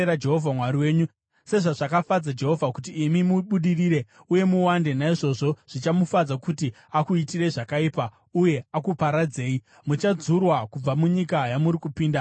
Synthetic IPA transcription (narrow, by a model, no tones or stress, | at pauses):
ɾad͡ʒe̞ɦo̞vʱamwaɾiwe̞ːɲu | se̞ʐaʐakafad͡zad͡ʒe̞ɦo̞vʱakut̬iːmimuɓuɗiriːɾe̞ | uje̞muwande̞naiʐo̞ʐo̞ʐ̥it͡ʃamufad͡zakuti | akuitire̞ʐakaiːpa | uje̞akupaɾad͡ze̞ːi | mut͡ʃad͡zurwakub͡vamuɲikajamuɾikupiːnda